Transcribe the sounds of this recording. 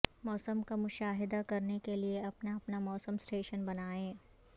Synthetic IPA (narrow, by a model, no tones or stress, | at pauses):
mɔːsəmkamʊʃaːɦɪd̪akɐɾnekelieɐpnaɐpnamɔːsəmsʈeːʃənbɐnaːẽː